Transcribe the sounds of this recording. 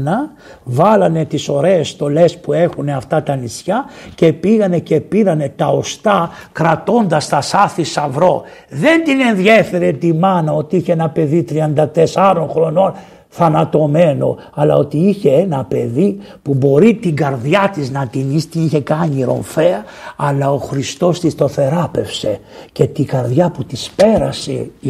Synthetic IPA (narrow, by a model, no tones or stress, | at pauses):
nɐ | vɐlɐne̞t̪iso̞ɾe̞ːst̪o̞le̞spue̞xune̞ɐft̪ɐt̪ɐnisçɐce̞piɣɐne̞ce̞piɾɐne̞t̪ɐo̞st̪ɐkɾɐt̪o̞nd̪ɐst̪ɐsɐθisɐvɾo̞ðe̞nd̪ine̞nðje̞fe̞ɾet̪imɐnɐo̞t̪iiçeenɐpe̞ðit̪ɾiɐnd̪ɐt̪e̞sɐɾo̞nxɾo̞no̞n | θɐnɐt̪o̞me̞no̞̰ | ɐlɐ̰o̞t̪iiçe̞enɐpe̞ði | pubo̞ɾit̪iŋɡɐɾðjɐt̪iznɐt̪inist̪iniçe̞kɐɲiɾo̞̰ɱfeɐɐlɐo̞xɾist̪o̞st̪ist̪o̞θe̞ɾɐpe̞fse̞ce̞t̪iɡɐɾðʝɐput̪ispeɾɐse̞̰